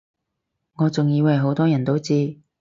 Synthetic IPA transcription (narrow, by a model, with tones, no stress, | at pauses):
ŋɔː˨˧t͡sʊ˨ŋjiː˧wɦo˨˥wt̪ɔː˥jɐ˨˩nt̪o˨˥wt͡siː˧